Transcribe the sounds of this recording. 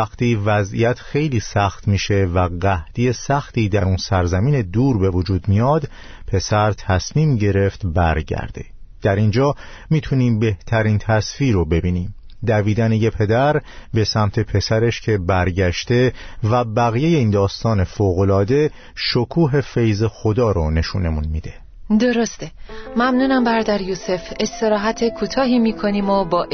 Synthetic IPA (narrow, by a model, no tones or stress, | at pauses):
æxt̪iːvæzḭjæt̪ʰxe̞jliːsæxt̪miːʃe̞væɢæhd̪̥ije̞sæxt̪ʰiːd̪æɾunsæɾzæmiːne̞d̪uːɾbe̞vod͡ʒuːd̪mijɒːd̪ | pʰe̞sæɾt̪ʰæsmiːmɟe̞ɾe̞ft̪bæɾɟæ̰ɾd̪̥e̞̥̰ | d̪̥æɾind͡ʒɒː | miːt̪ʰuniːmbe̞ht̪ʰæɾiːnt̪ʰæsfiːɾobe̞biːniːm | d̪æviːd̪ænejepʰe̞d̪æɾbe̞sæmt̪ʰe̞pʰe̞sæɾe̞ʃcʰe̞bæɾɟæʃt̪e̞væbæɣije̞je̞iːnd̪ɒːst̪ɒːne̞foːɣo̞lɒːd̪e̞ | ʃokʰuːɦe̞fe̞jze̞xod̪ɒːɾone̞ʃṵːne̞munmiːd̪e̞ | d̪oɾost̪emæmnuːnæmbæɾd̪æɾjuse̞fest̪e̞ɾɒːɦæt̪ʰekʰuːt̪ʰɒːɦiːmiːkʰoniːmobɒː